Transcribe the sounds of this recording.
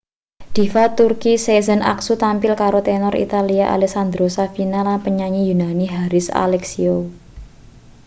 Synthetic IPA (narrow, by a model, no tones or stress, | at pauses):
d̪̥i̤fat̪urkisezənʔa̰ksut̪ampɪlkaɾot̪ɛnɔɾḭt̪aliaʔa̰lɛksand̪ɾosafinalapəɲaɲijunaniɦaɾɪsa̰lɛksio